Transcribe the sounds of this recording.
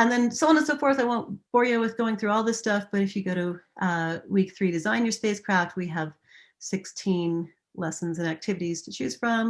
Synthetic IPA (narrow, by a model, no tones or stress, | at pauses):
ɨ̃nðɨ̃nsoʊə̃nə̃nsoʊfɔɹθaɪwõʊ̃nb̥ɔɹjɨwɨðɡoʊɪ̃ŋθɹʉɔlˠðɪstʌfb̥ʌɾɨfjɨɡoʊɾɨ | wikθɹiɾɨzãɪ̃njə˞speɪskʰɹ̥æft̚wiəv̥ | sɪkstʰĩn | lɛsn̩zɨ̃næk̚tʰɪvɨɾiz̥tʰɨt͡ʃʰʉz̥fɹʌ̃m